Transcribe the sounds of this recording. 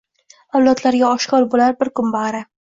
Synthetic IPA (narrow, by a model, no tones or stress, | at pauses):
awlat̪ʰlaɾɡʲaɒʃkɒɾbolaɾbɪɾkʊmbaɾa